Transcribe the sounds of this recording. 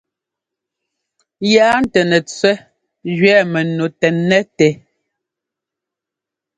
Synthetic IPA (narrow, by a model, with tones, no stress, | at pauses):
jaː˦n̩˦˨tɛ˨nɛ˨t͡swɛ˦ | d͡ʒɥɛː˦˨mɛ˨no˨tɛː˨ɛ˦tɛ˨˦